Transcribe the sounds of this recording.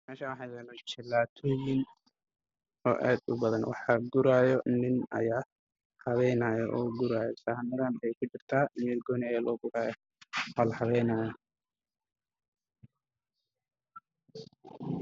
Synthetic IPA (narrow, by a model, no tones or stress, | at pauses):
mɛːʃaːwɑħɑːjɛːlɛt͡ʃɪlaːt̪ʰɔːjɪn | ɔːʔɛːd̪ʊbɐðɐnwʔɑ̰ħɑɡʊɾaːjɔnɪnɐ̰jaː | hɑβɛjnaːjɔʔɔːɡʊɾaːjɔsanɐɣaːnɐjɛjkʰʊt͡ʃɪrt̪ʰaːmɛːlɡɔːnɐjaːlɔːɡʊɾaːjɔ | hɔlhɑβɛjnaːjɐ